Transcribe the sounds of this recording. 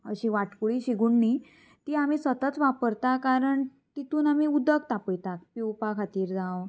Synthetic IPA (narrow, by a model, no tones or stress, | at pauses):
əɕiʋaʈkuɭiːɕiɡuɳːi | t̪iːam̤isət̪ət͡sʋapəɾt̪akaɾəɳ | t̪it̪uːnamiud̪əkt̪apəjt̪ak̚piwpakʰat̪iːɾd͡zaw